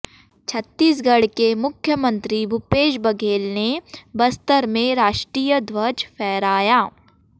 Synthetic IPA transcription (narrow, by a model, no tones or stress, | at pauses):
t͡ʃʰɐt̪ːiːs̬ɡɐɽ̤kemʊkʰjəmə̃nt̪ɾibʱʊpeːʃbɐɡʱeːlnebɐst̪əɾmẽɾaːʃʈɾiːjəd̪wɐd͡ʒpʰɛːɾaːjaː